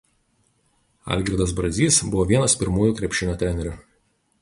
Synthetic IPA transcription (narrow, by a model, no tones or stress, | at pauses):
ɐ̰ˑlʲɡʲɾʲɪd̪ɐsbɾɐzʲiːsbʊʋoːʋʲiɛnɐspʲɪɾmuːjuˑːkɾʲɛpʲʃʲɪnʲoːt̪ʲɾʲɛnʲɛɾʲʊ